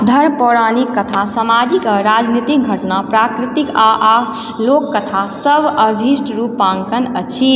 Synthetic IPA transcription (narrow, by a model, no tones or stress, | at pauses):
d̪ʱəɾpɔɽanikːət̪ʰasamad͡ʒikaɾad͡ʒnit̪ik̚ɡʱəʈnapɾakɾit̪ikaʔa | lokːət̪ʰasəbəbʱisʈɾupãŋkənət͡ʃʰi